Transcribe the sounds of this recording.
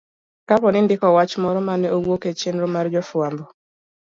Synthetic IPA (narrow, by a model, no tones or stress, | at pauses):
kapɔnɪndɪkɔwat͡ʃmɔɾɔmanɛowoket͡ʃenɾomaɾd͡ʒɔfwambɔ